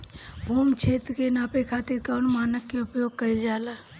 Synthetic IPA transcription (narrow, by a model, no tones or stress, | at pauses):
bʱuːmt͡ʃʰeːt̪ɾkenaːpekʰaːt̪iɾkaʊnmaːnəkːeʊpjoːɡ̚kəid͡ʒaːlaː